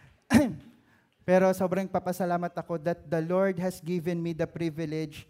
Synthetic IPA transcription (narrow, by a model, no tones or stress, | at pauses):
pɛːɾosoːbɾɐŋpɐpɐsɐlaːmɐt̪ɐko̞d̪ɐt̪̚d̪ɐloɹd̪̚hɐsɡɪvɛnmid̪ɐpɾivɪlɛd͡ʒ